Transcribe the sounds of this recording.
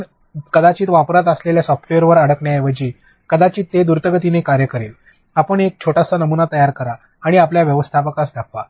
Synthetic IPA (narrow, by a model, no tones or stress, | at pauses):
ɳ | kəd̪at͡ɕiːt̪ʋapɾət̪̬əsleljasɔfʈeəɾʋəɾəɽəkɳjajeʋəd͡ʑiː | kəd̪at͡ɕiːt̪ːed̪uɾt̪əɡət̪inekaɾjəkəɾel | apəɳek̚t͡ɕʰoʈasanəmunat̪əjaɾkəɾaː | ɽ̃iapljaʋjəʋəst̪ʰapəkasd̪ʱakʰʋa̰